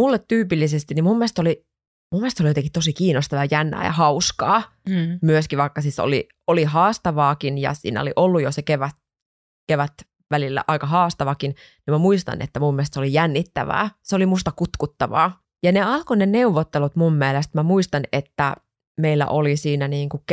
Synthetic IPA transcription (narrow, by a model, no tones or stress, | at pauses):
mulːet̪tyːpilːisest̪inimumːest̪oli | mumːiest̪ːolijot̪eŋkit̪osikiːnost̪ɑʋɑɑjænːæ̰ːjɑ̰hɑuskɑ̰ː | myøskiʋʋɑikːɑsiso̰lḭ | olihɑːst̪ɑʋɑːkinjɑ̰sḭːnæ̰o̰liʔolːujosekeʋæt̪ | keʋæt̪ | ʋælilːæ̰ʔɑikɑhɑːst̪ɑʋɑkin | nimæmuist̪ɑ̰nḛt̪ːæmumːeˑst̪seolijænːit̪ːæ̰ʋæ̰ːseolimust̪ɑkut̪kut̪ːɑʋɑ̰ː | jɑneɑlkoneneuʋːot̪ːelut̪mumːielest̪mæmuist̪ɑnet̪ːæ | meilːæ̰ʔolisiːnæniːŋkukk